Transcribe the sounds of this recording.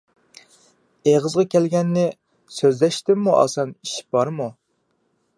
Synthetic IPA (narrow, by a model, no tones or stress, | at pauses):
eʁəzʁɑkʲʰɛlɡʲɛnːɪ | søzlɛʃt̪ɪmːuʔɑ̰sɑniʃi̥p̚bɑɾmu